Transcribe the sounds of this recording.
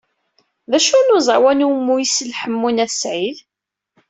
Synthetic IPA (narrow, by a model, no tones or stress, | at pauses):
ðæʃunʊzˤwænumːujisəlħəmːunæsʕið